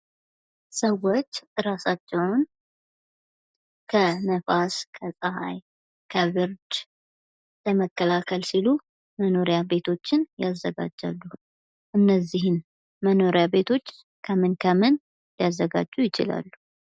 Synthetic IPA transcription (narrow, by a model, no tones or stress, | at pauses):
səwo̞t͡ʃːɾasat͡ʃːɛwn | kʰənəfaskʰəsʼəɦaj | kʰəβɨɾd͡ʒ | ləməkːəlakʰəlsilu | məno̞ɾjabe̞t̪ʰo̞t͡ʃːɪnjazːəɡa̰d͡ʒa̰lːu | ʔɨnːəzːiɦɪn | məno̞ɾejabe̞t̪ʰo̞t͡ʃː | kʰəmɨnkʰəmɨn | jazːəɡa̰d͡ʒːujɪt͡ʃɪ̰la̰lːu